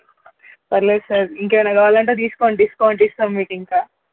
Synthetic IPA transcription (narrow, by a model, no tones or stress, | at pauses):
pɐɾlesɐɾiŋkeːjnɐɡaːʋaːlɐɳʈet̪̬iːskoːɳʈ̪iːsu̥koːɳʈ̪iːst̪aːmmiːʈiŋkaː